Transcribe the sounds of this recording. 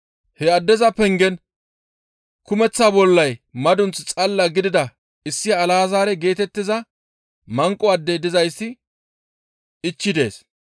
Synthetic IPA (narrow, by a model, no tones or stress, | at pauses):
hɛɐd̪ːɛzɐpɛŋɡɛn | kʊmɛt͡sːaːbɔlːɐjmɐd̪ʊnt͡st͡sʼɐlːɐɡɪd̪ɪd̪ɐ | ɪsːɪjɐːlaːzaːɾɛɡe̞ːt̪ɛt̪ːɪzɐ | mɐŋkʼːɔɐd̪ːɛd̪ɪzɐjsːɪ | ɪt͡ʃːɪd̪e̞ːs